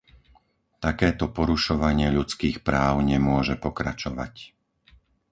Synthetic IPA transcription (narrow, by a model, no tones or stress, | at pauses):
t̪akɛːt̪ɔpɔɾuʃɔʋaɲɪɛʎut͡skiːxpɾaːʊɲɛmʊɔʒɛpɔkɾa̰t͡ʃɔʋa̰c